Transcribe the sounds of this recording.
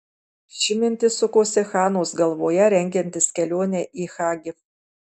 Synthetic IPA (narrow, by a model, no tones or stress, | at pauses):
ʃʲɪmʲɪnʲt̪ʲɪsʊkoːsʲɛxɑːnoːsɡɐlˠʋoːjɛɾʲɛŋʲɡʲɛnʲt̪ʲɪskʲɛlʲoːnʲɛʔiːxɑːɡʲɪf